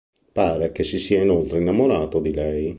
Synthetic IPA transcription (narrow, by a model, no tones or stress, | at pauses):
paːɾek̟esisiːainolt̪ɾeinːamoɾaːt̪od̪ilɛj